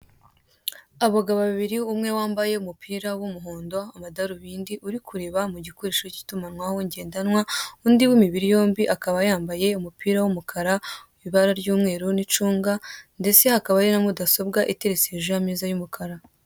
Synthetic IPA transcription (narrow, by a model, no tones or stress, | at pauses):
aβaɡaβaβiɾiumŋe̞waːmbaje̞umupʰiːɾawumuɦoːndo̞amadaɾuβiːndiʔuɾikʰuɾe̞βamuɟikoɾeʃoci̥tumanŋwaho̞ɲɟe̞ːndanwaundiwimiβiɾijo̞ːmbiʔakaβajaːmbaje̞umupiːɾawumukʰaɾauβiβaɾaɾɟuːmŋe̞ːɾunit͡ʃuːŋɡande̞t͡se̞hakaβaɾinamudaso̞b̚ɡaʔite̞ɾeseʒojamizajumukʰaɾa